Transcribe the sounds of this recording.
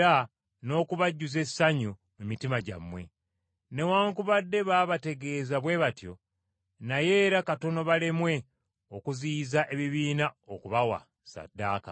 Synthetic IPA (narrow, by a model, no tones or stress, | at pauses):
a | no̞ːkuβaɟːuze̞saɲu | mumitimaɟa̰mwe̞̰ | ne̞waːŋkuβadːe̞βaːβate̞ɡe̞ːzaβwe̞βatjo̞ | naje̞ːɾakato̞no̞βalemwe̞ | okuziːzaʔe̞βiβiːnaokuβawa̰ | sa̰dːaːka̰